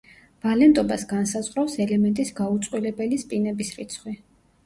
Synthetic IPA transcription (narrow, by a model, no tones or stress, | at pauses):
v̥alɛnt̪ʼɔbasɡansazʁɾafsɛlɛmɛnt̪ʼisɡaut̪sʼqʼwilɛbɛlispʼinɛbisɾit̪sʰχwi